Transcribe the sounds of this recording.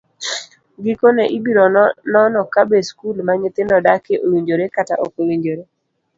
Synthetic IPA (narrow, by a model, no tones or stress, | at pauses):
ɡikonɛʔibiɾɔnɔnɔkabeskulmaɲɪt̪ɪndɔdakeʔowiɲd͡ʒoɾekata̰ʔo̰kowiɲd͡ʒoɾe